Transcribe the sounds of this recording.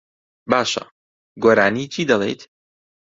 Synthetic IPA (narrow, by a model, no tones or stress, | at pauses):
baːʃɐ̰ | ɡoːɾaːniːt͡ʃʰiːd̪ɐlˠḛjt̪